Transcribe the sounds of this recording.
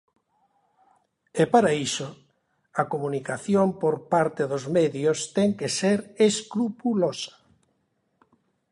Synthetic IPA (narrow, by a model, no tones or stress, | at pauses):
epaɾaiso | ɐkomunikaθjompoɾpaɾt̪eðozmeðjost̪ɛŋkeseɾeskɾupulosḁ